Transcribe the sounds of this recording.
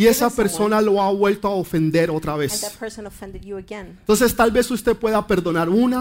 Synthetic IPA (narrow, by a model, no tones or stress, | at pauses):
ie̞sape̞ɾso̞nalo̞aβwe̞lt̪oaofe̞nd̪e̞ɾo̞t̪ɾaβe̞ssnfɛ̃nddɡɛ̃nt̪o̞ns̬e̞st̪alβe̞sust̪epwe̞ðape̞ɾðo̞naɾuna